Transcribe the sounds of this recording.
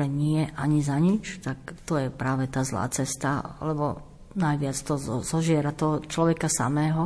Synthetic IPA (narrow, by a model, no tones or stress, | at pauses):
ɛɲɪɛʔaɲizaɲit͡ʃt̪akt̪ɔjɛpɾaːʋɛt̪aːzla̰ːt͡sɛst̪aa̰lɛbɔ | najʋɪat͡st̪ɔzɔzɔʒɪɛɾat̪ɔɦɔt͡ʃlɔʋɛkasa̰mɛːɦɔ